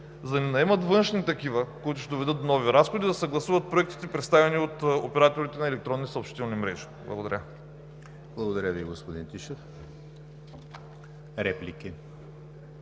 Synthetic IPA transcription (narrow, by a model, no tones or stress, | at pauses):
zɐninɐɛmɐt̪vɤnʃnit̪ɐkivəkoit̪ʊʃt̪ɛd̪ovɛd̪ɤt̪̚nɔviɾasxod̪id̪ɐsɐɡlˠɐsuvɐt̪̚pɾoɛk̚t̪i̥t̪ɛpɾɛt̪st̪avɛniot̪opɛɾat̪oɾit̪ɛnɐɛlɛk̚t̪ɾɔnːisɐopʃt̪it̪ɛlˠnimɾɛʒi̥blˠɐ̰ɡod̪ɐɾʲə | blˠɐɡod̪ɐɾʲjəviɡospod̪int̪iʃəf | ɾɛpliki